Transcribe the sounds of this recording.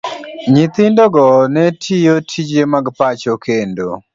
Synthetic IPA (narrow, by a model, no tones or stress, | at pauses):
ɲit̪ɪndɔɡɔnɛtʰijotʰid͡ʒemaɡpat͡ʃokʰendo̰